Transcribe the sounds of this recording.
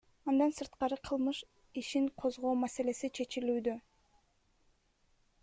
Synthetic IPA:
ɑnd̪ɑnsɯɾt̪qɑɾɯqʰɯlˠmɯʃ | iʃiɴqʰo̞zʁo̞ːmase̞le̞sit͡ʃʰe̞t͡ʃilyːd̪ø

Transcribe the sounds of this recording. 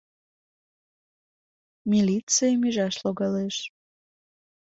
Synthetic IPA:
milit͡sɨjmiʒɑʃloɣɑleʃ

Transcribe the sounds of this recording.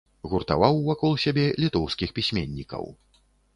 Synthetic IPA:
ɣurt̪a̰vawvakɔlˠsʲabʲɛlʲit̪ɔwskʲixpʲisʲmʲenʲːikɐ̰w

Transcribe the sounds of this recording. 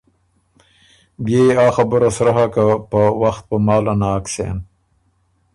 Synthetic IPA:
bjeɑːxabʊɾasɾaɦakapəwaxt̪̚pəmɑːlanaːksḛːn

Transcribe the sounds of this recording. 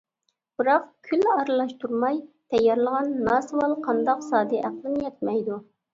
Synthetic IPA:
b̥ɨɾɑqkʲʰylɑɾɨlˠɑʃt̪ʰuɾmɑjt̪ʰɛjɑɾlˠəʁɑnːɑsɨwɑlˠqʰɑnd̪ɑqsɑːd̪ɛʔæqlˠɨnjɛt̪̚mɛjd̪u

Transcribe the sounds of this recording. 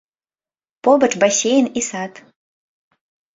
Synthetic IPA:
pobəʈ͡ʂbasʲejnisat̪

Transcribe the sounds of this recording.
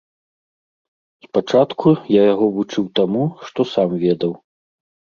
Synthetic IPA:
sspat͡ʂat̪kʰujajaɣɔvut͡ʂɨwt̪amuʂt̪ɔsamvʲɛd̪ɐw

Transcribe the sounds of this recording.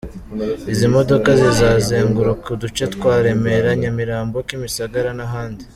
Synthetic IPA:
izimo̞do̞kazizaːzeːŋɡuɾukudut͡ʃetkwaːɾe̞me̞ɾaɲamiɾaːmbokimisaɡaɾanaɦaːndi

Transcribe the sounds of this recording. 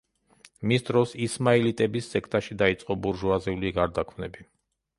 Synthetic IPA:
misd̪ɾɔsismailit̪ʼɛbisːɛkʰt̪ʼaʃid̪ait̪sʼqʼɔbuɾʒuaziuliɡaɾd̪akʰmnɛbi

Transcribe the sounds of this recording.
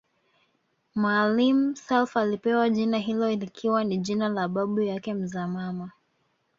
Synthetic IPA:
malim̩sɛlfalipɛwaʄinaɦilɔilikʰiwaniʄinalaɓaɓujakɛm̩zamama

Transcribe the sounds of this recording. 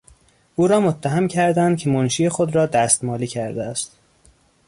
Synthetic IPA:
ʔuːɾɒːmot̪ʰːæɦæmcʰæɾd̪ænd̪̚cʰe̞monʃiːje̞xod̪ɾɒːd̪æst̪mɒːliːcʰæɾd̪eæst̪

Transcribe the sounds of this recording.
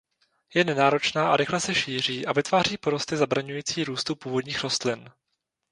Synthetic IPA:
jɛnɛnaːɾo̞t͡ʃnaːʔa̰ɾɪxlɛsɛʃiːr̝iːʔavɪt̪vaːriːpo̞ɾost̪ɪzabɾaɲujiːt͡siːɾuːst̪upuːvo̞dɲiːxɾo̞st̪lɪn

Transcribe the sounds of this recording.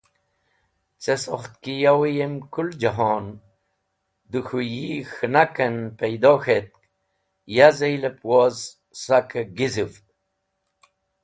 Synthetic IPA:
t͡sesoχt̪̚kijawijemkuld͡ʒaɦon | d̪uxujixnakɐnpejd̪oxet̪̚k | jazejlepwoz | sakəɡizɨft̪̚

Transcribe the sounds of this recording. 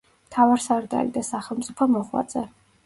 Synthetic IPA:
mt̪ʰavaɾsaɾd̪a̰lḭd̪asaχɛlˠmt̪sʼipʰɔmɔʁwa̰t̪sʼɛ

